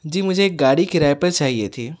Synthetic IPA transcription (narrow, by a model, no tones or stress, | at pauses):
d͡ʒiːmʊd͡ʒʱeːk̚ɡaːɽikɪɾaːepɐɾt͡ʃaːɦiet̪ʰiː